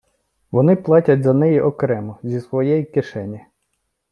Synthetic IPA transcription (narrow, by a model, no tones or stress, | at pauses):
ʋɔnɪplˠɑtʲɐtʲzɐnɛjiʔɔkɾɛmɔzʲisʋɔjɛjikɪʃɛnʲi